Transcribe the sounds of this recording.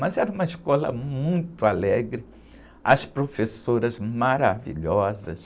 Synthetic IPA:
mɐzɛɾɐũmɐiʃkɔlɐ̰mũj̃t̪ʊalɛɡɾɪ | ɐspɾofesoɾɐzmaɾavḭʎɔzɐ̰s

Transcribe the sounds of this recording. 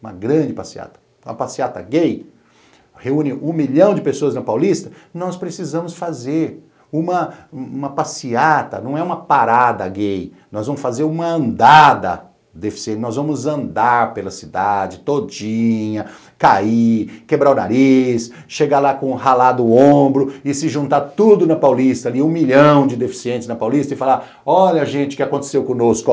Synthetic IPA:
ũmɐɡɾɐ̃d͡ʒɪpasia̰t̪ɐ̥ | ũɐpasiat̪ɐ̰ɡej | heũnɪʔũmiʎɐ̃w̃d͡ʒɪpesoɐznɐpawlist̪ɐ | nɔspɾesizɐ̃mʊsfazeɾ | ũmɐ̃ũmɐpasiat̪ɐ̰nɐ̃w̃ɛũmɐpaɾad̪ɐɡejnɔzvɐ̃mʊsfazeɾũmɐɐ̃nd̪ad̪ɐ̰ | d̪efi̥siẽt͡ʃnɔzvɐ̃mʊzɐ̃nd̪aɾpelɐsid̪ad͡ʒɪt̪od͡ʒĩɲɐ | kaikebɾaʊna̰ɾisʃeɡalakõhalad̪ʊõbɾʊɪsɪʒũnt̪aɾt̪ud̪ʊnɐpawlist̪ɐliũmiʎɐ̃w̃d͡ʒɪd̪efi̥siẽnt͡ʃɪznɐpawlist̪ɐɪfala | ɔʎɐʒẽt͡ʃɪ̥kɪakõnt̪e̥sewkõnoskʊ

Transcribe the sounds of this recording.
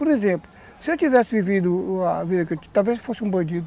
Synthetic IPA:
pɔɾizẽmplu | sewt̪ivɛsvivid̪uaviðɐket̪alˠveʃfosũbɐ̃d̪id̪

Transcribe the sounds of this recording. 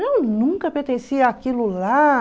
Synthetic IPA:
nɐ̃w̃nũŋkɐpẽɾt̪ẽsiɐakilʊla

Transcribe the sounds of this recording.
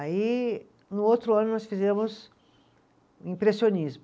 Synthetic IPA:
ai | nʊowt̪ɾʊɐ̃nʊnɔsfizẽmʊs | ĩpɾesionizmʊ

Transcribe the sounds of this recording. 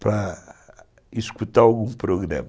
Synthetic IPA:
pɾɐ | iʃkut̪aɾalˠɣũpɾoɣɾa̰m

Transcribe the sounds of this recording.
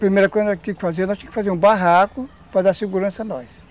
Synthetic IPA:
pɾimejɾɐkoj̃akikɪ̥fazeɾnɔst̪ẽj̃kɪfazeɾũbaɦakʊ | pɾad̪aɾseɡuɾɐ̃sɐnɔjs

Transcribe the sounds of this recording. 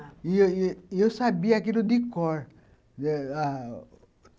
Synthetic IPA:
iosabijakilud̪ikːɔɹ

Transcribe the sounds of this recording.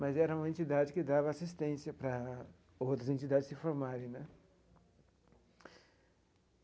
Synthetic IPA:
mɐzɛɾɐũmɐẽnt͡ʃid̪ad͡ʒɪkɪd̪avɐasist̪ẽsjɐpɾɐ | owt̪ɾɐzẽnt͡ʃid̪ad͡ʒɪsɪfoɾmaɾẽj̃nɛ

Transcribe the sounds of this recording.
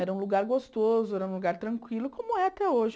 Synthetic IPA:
ɛɾɐũluɡaɾɡost̪ozʊɛɾɐũluɡaɾt̪ɾɐ̃ŋkwilʊkõmʊɛat̪ɛoʒɪ

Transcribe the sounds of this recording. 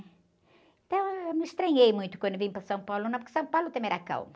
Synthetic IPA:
ẽnt̪ɐ̃w̃ewmɪʃt̪ɾɐ̃ɲejmũj̃t̪ʊ̥kwɐ̃nd̪ʊvĩpɾɐsɐ̃w̃pawlʊnɐ̃w̃puɾkɪsɐ̃w̃pawlʊt̪ɐ̃m̃ɛɾɐakɐ̰wm

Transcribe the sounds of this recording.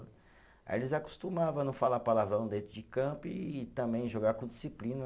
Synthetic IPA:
a̰elɪzaku̥st̪umavɐ̃nũfalapalavɾɐ̃w̃d̪ẽjt̪ɾʊd͡ʒɪkɐ̃pʊiːt̪ɐ̃bẽj̃ʒoɡakõd͡ʒ̪isiplĩnɐ

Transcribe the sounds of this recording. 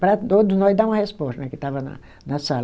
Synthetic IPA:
pɾɐt̪od̪ʊznɔzd̪aũmɐhespɔst̪ɐnɛkɪt̪avɐnɐ̰ | nɐsal

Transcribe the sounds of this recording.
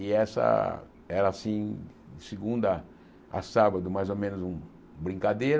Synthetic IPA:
ɪɛsɐ̰ | ɛɾɐasĩ | sɪɡũnd̪ɐ | a̰sabɐd̪ʊmajzomẽnʊzũ | bɾĩŋkad̪ejɾ

